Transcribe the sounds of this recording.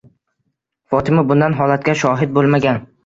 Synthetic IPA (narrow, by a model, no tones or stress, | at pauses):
fɒt̪ʰɪmɪbʊnd̪anɦɒlˠat̪kʲaʃɒɦɪd̪̚bolˠmaɡʲan